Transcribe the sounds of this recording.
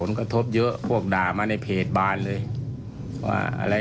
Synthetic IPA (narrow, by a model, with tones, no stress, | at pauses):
o˨˦nka˧t̪ʰo˦˥p̚jɤ˦˥ʔpʰu˥˩ək̚daː˨˩maː˧na˧˥˩jpʰeː˨˩t̪̚baː˧nlɤː˧jʰ | wa̰ː˧˩ʔa̰˧ɾa˧